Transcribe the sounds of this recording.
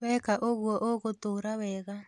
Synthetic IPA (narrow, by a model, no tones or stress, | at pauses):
wɛːkaʔoɣwɔʔoɣotoːɾawɛːɣa